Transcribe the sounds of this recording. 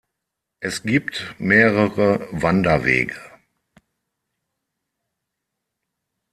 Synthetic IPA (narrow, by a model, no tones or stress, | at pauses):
ʔɛsɡ̥iːptmeːʁəʁəvandɐvḛːɡə